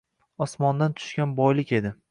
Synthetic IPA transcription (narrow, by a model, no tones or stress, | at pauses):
ɒsmɒnd̪ant̪ʰʊ̥ʃkʲanbɒjlɪkʲe̞d̪ɪ